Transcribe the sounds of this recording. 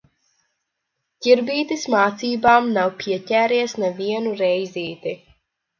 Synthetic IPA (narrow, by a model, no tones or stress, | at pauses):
cʲiɾbiːt̪ismaːt̪siːbaːmnawpʰʲiɛcʲæːɾiɛsnevʲiɛnuɾɛjzʲiːt̪i